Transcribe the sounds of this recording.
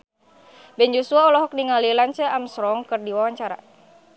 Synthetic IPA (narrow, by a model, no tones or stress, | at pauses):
bɛnd͡ʒosuaɔlɔɦɔk̚niŋalilant͡ʃaʔamsɾɔŋkɨrdiwawaɲt͡ʃaɾa̰